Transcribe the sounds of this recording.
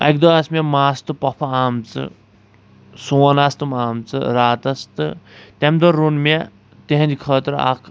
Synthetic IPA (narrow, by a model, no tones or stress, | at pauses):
ɐ̰k̚d̪ɐɐsmʲemaːst̪ɨpɐpʰɐaːmt͡sɨ̰ | soːnast̪ɨmaːmt͡sɨ̰ɾaːt̪ɐst̪ɨt̪ʲɐmd̪oɾːunmʲe | t̪eɦɐ̃nd͡ʒikʰəːt̪ɾa̰kʰ